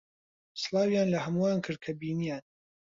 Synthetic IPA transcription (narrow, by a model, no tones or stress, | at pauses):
sɨlˠɑːwijaːnlɐhɐmuwaːnkʰɨɾd̪̚kʰɐbiːnijaːn